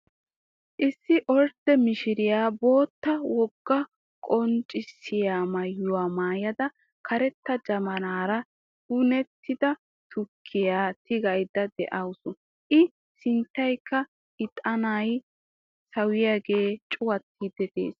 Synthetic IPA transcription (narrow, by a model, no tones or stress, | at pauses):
ʔɪsːɪʔɔɾd̪̥ɛmɪʃɪɾɪjaːbo̞ːt̪ːɐwɔɡːɐ | kʼɔnt͡ʃʼɪsːɪjaːmɐjʊwaːmaːjɐd̪ɐ | kɐɾɛt̪ːɐd͡ʒɐmɐnaːɾɐ | hʊnɛt̪ʰːɪd̪ɐ | t̪ʰʊkʰːɪjaːt̪ɪɡɐjd̪ɐd̪ɛ̰ʔɐwsʊ | ʔɪ | sɪnt̪ːɐjkːɐ | ɪt̪ʼɐnaːj | sɐwɪjaɡe̞ːt͡ʃʼʊwɐt̪ːid̪ɛt̪ḛːs